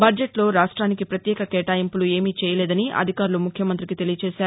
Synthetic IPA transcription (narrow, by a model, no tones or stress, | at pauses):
bɐɾd͡ʒeʈlo̞ːɾaːʂʈɾaːnikipɾɐt̪jɛːkɐkɛːʈaːjimpulue̞ːmiːt͡ʃɛːjɐlɛːd̪ɐniʔɐ̰d̪ʱikaːɾulumukʰjɐmɐnt̪ɾikit̪e̞lijɐt͡ʃɛːʃaːɾu